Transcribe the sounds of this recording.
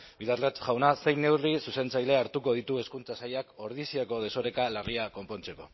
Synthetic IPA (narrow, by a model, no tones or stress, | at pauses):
bilaɾlat͡sʝawnase̞jne̞wrisuse̞nt͡sajle̞aɾt̪uko̞ðit̪ue̞skunt͡sasajako̞ɾðisiako̞ð̞e̞so̞ɾe̞kalariako̞mpo̞nt͡se̞ko̞